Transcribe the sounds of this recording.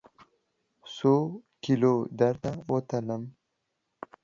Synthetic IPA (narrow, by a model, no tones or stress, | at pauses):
sokilod̪aɾt̪awot̪aləm